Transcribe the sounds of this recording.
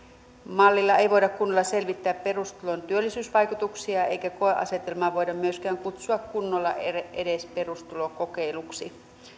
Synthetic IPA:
mɑlːilːɑeiʋoiɾɑkkunːolːɑse̞lʋit̪ːæːppe̞rust̪ulont̪yølːisyːsʋɑjkut̪uksiɑḛikækoeʔɑ̰set̪elmɑʋoidɑmmyøskæːŋkut̪suɑkkunːolːɑ̰ʔeeʔedespe̞rust̪ulokokeiluksi

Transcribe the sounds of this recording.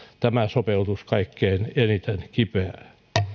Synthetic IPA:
t̪æmæsopelt̪uskɑikːeinenit̪enkipeæ

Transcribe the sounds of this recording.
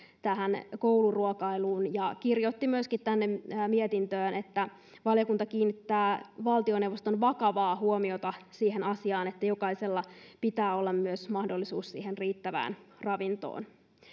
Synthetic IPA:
t̪æɦænkowluruokɑiluːnjɑkirjot̪ːimyøskit̪t̪ænːemːmiet̪int̪øːnet̪ːæ | ʋɑljokunt̪ɑkiːnːit̪ːæːʋɑlt̪ionewʋost̪onʋɑkɑʋɑːhuomiot̪ɑsiːhenɑsiɑːnet̪ːæjo̞kɑiselːɑpit̪æːo̞lːɑmmyøsmɑhdolːisuːssḭːhenriːt̪ːæʋæ̰ːnrɑʋint̪o̰ːn

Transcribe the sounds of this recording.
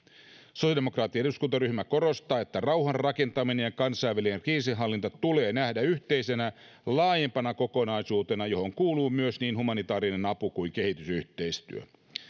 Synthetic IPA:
sosjɑdemokrɑːt̪ːˑiɑeuskunt̪ɑryhmæko̞ɾo̞st̪ɑːe̞t̪ːærɑwɦɑrrɑke̞nt̪ɑminejkɑnsɑiʋælienriːsiɦɑlːint̪ɑt̪ule̞ːnæhdæyçt̪e̞ise̞næ | lɑːje̞mpɑnɑko̞ko̞nɑisuːt̪e̞nɑjo̞ho̞ŋkuːluːmyøsniːnhumɑnit̪ɑːɾine̞nɑpukuiŋke̞ɦit̪ysyht̪e̞ist̪y̰ø

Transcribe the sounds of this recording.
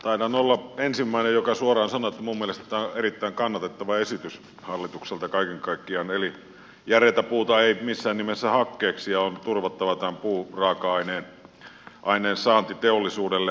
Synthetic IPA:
t̪ɑˑinɑnolːɑensimːæˑinejjokɑsuorˑɑːnsɑnoet̪ːæmumːielest̪ˑæːoerit̪ːæiŋkɑnːɑt̪et̪ːɑʋɑesit̪ys | hɑlːit̪ukselt̪ɑkɑikeŋkɑikːiɑneli | jæret̪æpuːt̪ɑeimisːæːnnimesːæhɑkːeːksijɑont̪urʋɑt̪ːɑʋɑt̪æmpuːrɑːkɑɑineːn | ʔɑineːnsɑːnt̪it̪eolːisuːdelːe

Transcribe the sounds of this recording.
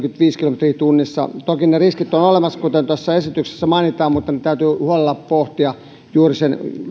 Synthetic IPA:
kyt̪ʋiːskilomet̪riːt̪unːisːɑ̰t̪okinneriskit̪ːonolemɑskut̪ent̪æsːɑesit̪ykse̥sːæmɑinit̪ɑːmmut̪ːɑnet̪æyt̪yːhuolelːɑppoht̪iɑ | juːrisen

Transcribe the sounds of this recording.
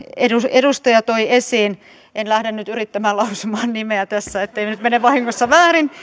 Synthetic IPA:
edusedust̪ɑjɑt̪oiesiːn | ʔenlæhɾenːyt̪yrit̪ːæmæːlɑusumɑːnnimeæt̪æsːæet̪ːeinyt̪meneʋɑhiŋːosːɑʋæːrin

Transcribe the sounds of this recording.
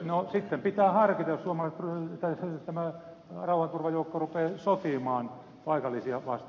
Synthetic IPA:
nosit̪ːempit̪æːhɑrkit̪ɑjssuomɑlɑiset̪t̪ːæt̪æmæ | rɑuhɑnt̪urʋɑjoukːorupeːsot̪imɑːn | pɑikɑlːisiɑʋɑ̰st̪

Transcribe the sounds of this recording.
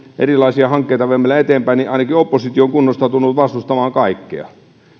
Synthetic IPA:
ʔḛrilɑisiɑhɑŋkːeit̪ɑʋemːelːæet̪empæiniʔɑinɑkiopːosit̪ioŋkunːost̪ɑt̪unːut̪ʋɑst̪ust̪ɑmɑːŋkɑikːḛɑ̰

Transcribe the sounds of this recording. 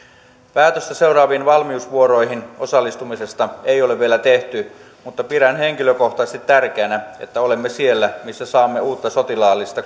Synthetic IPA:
pæːt̪øst̪æse̞urɑːʋiːnʋɑlmiusʋuo̞ɾo̞jɦino̞sɑlːist̪umise̞st̪ɑejole̞ʋʋielæt̪e̞ht̪y | mut̪ːɑpiɾænhe̞ŋkiløko̞ht̪ɑsest̪it̪ːærk̟eænæḛt̪ːæo̞lemːesie̞lːæmisːæsɑːmːe̞uːt̪ːɑso̞t̪ilɑːlːist̪ɑ

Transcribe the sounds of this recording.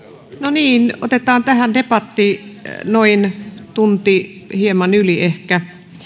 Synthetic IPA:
noniːno̰t̪et̪ˑɑːnt̪æhænd̪epɑt̪ːinoint̪unt̪ihiemɑnyliehkæ

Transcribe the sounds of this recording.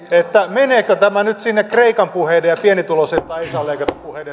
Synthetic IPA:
et̪ːæmeneːkøt̪æmænyt̪sinːekreikɑmpuheidejjɑpienit̪uloset̪ːɑiisɑlːeikɑt̪ɑpuheide

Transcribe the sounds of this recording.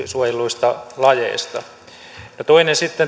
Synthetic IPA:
suojeluist̪ɑlɑjḛist̪ɑ | not̪oinensit̪ːen

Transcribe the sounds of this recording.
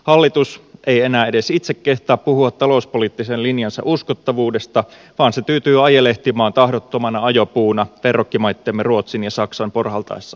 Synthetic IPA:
hɑlːit̪use̞jenæːedesit̪sekːe̞ht̪æːppuhuɑt̪ːɑlo̞uspoliːt̪ːisenlinjɑnsɑ̰ʔuskot̪ːɑʋuːde̞st̪ɑ | ʋɑːnsepyːt̪yːɑjeleht̪imɑːnt̪ɑhdot̪ːomɑnɑɑjopuːnɑʋerokːimɑjt̪ːeːmːeruo̞t̪sinjɑsɑksɑmporhɑlt̪ɑ̰esːɑ̥

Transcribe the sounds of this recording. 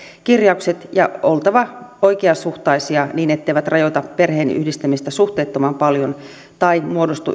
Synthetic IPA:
kirjɑukset̪jɑʔolt̪ɑʋɑoikeɑsuht̪ɑisiɑniːnet̪ːeiʋæt̪rɑjot̪ɑpːe̞rheːny̰hdist̪æmist̪æsuht̪eːt̪ːomɑmpɑljon | t̪ɑimuodost̪ṵ

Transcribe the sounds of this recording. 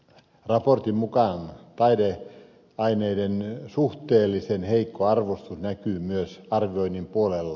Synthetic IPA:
rɑport̪immukɑˑnt̪ɑide | ɑineidensuht̪eːlːisenheikːoɑrʋost̪usnækyːmyøsɑrʋioinːimpuolelːɑ

